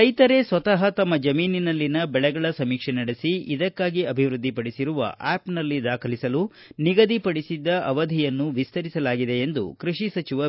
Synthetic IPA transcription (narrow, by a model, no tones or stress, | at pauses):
ɐjt̪ɐɾe̞sʋɐt̪ɐɦɐt̪ɐmːɐd͡ʒɐmiːninɐlːinɐbɛɭɛɡɐɭɐsɐmiːkʂenɐɽesiid̪ɐkːaːɡiɐbʱiʋɾud̪ːipɐɽisiɾuʋɐ̰ʔaːpnɐlːid̪aːkʰɐlisɐlu | niɡɐd̪ipɐɽisid̪ːɐʔɐʋɐd̪ʱijɐnːuʋist̪ɐɾisɐlaːɡid̪e̞end̪ṵkɾuʂisɐt͡ʃiʋɐ